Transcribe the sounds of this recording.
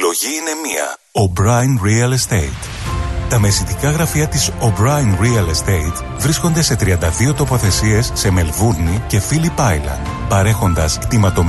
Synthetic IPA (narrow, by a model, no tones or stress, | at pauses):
lo̞ʝiine̞miɐ̰ | obɾɐjnɾiɐlest̪eit̪ | t̪ɐme̞sit̪ikɐɣɾɐfiɐt̪iso̞bɾɐjnɾiɐlest̪eit̪ | vɾisko̞nd̪e̞se̞t̪ɾiɐnd̪ɐðio̞t̪o̞po̞θe̞sie̞sːe̞me̞lvuɾnice̞filipɐjlɐ̰ | pɐɾe̞xo̞nd̪ɐst̪imɐt̪o̞m